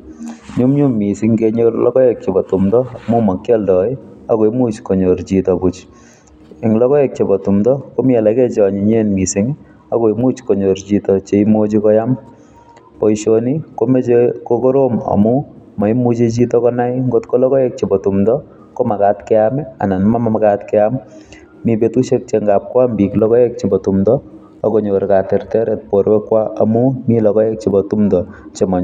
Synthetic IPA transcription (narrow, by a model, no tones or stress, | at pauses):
ɲumɲummisiŋkeɲorlɔ̰kɔek̚t͡ʃepɔtumdɔamumɔkjɔldɔiakojmut͡ʃkoɲoɾt͡ʃitɔput͡ʃ | eŋlɔkɔek̚t͡ʃepɔtumdɔkomiɛlakɛt͡ʃɔɲiɲenmisiŋ | akoimut͡ʃkoɲoɾt͡ʃitɔt͡ʃeimot͡ʃikɔjam | pɔiʃonikomet͡ʃekoɡɔɾomɐ̰mumɔjmud͡ʒed͡ʒit̪ɔɡɔnajɡɔt̪kolɔɡɔjek̚t͡ʃʰibɔt̪umd̪ɔ | komaɡat̪keama̰nɐnmamamaɡat̪keamː | ibet̪usek̚t͡ʃeŋɡap̚koambiklɔɡɔjek̚t͡ʃʰibɔt̪umd̪ɔː | ɡɔnoɾɡat̪eɾt̪eɾet̪̚pɔɾbekuwaʔəmumilɔɡɔjek̚t͡ʃʰibɔt̪umd̪ɔt͡ʃemɔn